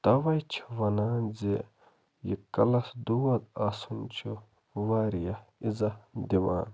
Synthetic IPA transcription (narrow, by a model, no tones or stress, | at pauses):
t̪ɐʋɐjt͡ʃʰi̥ʋɐnaːnze | jḭkɐlɐsd̪uwɐd̪asunt͡ʃʰu | ʋaːɾijɐizɐd̪ima̰ːn